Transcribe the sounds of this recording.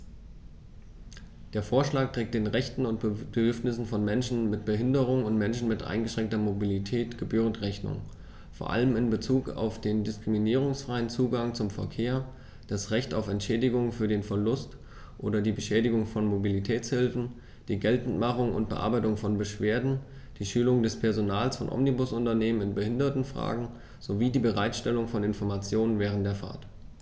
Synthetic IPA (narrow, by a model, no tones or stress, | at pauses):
d̥eːɐfoːɐʃlaːk̚tʁ̥eːk̚td̥eːnʁɛçtn̩ʊntb̥ədʏɐfnɪsn̩fɔnmɛnʃn̩mɪtb̥əɦɪndəʁ̞ʊŋʊntmɛnʃn̩mɪtʔa̰ɪnɡəʃʁ̥ɛŋk̚tɐmobilitʰɛːtɡ̥əbyːʁ̞əntʁɛçnʊ̰ŋ | foːɐʔa̰ləmɪnbət͡suːka̰ʊfd̥eːndɪskʁ̥iminiːʁ̞ʊŋsfʁ̥aɪənt͡suːɡaŋt͡sʊmfɛ̰ɐkʰeːɐ | d̥asʁɛçtaʊfɛntʃɛːdɪɡʊŋfyːɐdeːnfɛɐlʊst | ʔo̰ːdɐdiːbəʃɛːdɪɡʊŋfɔnmobilitʰɛːt͡shɪlfn̩ | d̥iːɡɛltn̩tmaχʊŋʊ̰nt̚b̥əʔa̰ɐbaɪtʊŋfɔnbəʃv̥eːɐdn̩ | d̥iːʃyːlʊŋdɛspʰɛɐzonaːlsfɔnʔɔ̰mnibʊsʔʊntɐneːmənɪnbəhɪndɐtn̩fʁ̥a̰ːɡŋ̩ | z̥oviːdiːbəʁ̞aɪtʃtɛlʊŋfɔnɪnfɔɐmat͡sjoːnənvɛːʁ̞ən̩td̥eːɐfa̰ːɐt